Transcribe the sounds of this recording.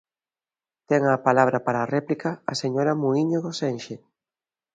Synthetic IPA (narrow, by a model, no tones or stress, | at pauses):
t̪ɛŋapalaβ̞ɾɐpaɾaːrɛplikɐɐ̰seɲoɾɐmuiɲoɣosenʃe